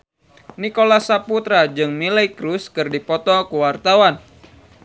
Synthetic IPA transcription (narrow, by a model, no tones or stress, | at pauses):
nikolasaput̪ɾad͡ʒɨŋmilajkɾuskɨrdipɔt̪ɔkuwart̪awan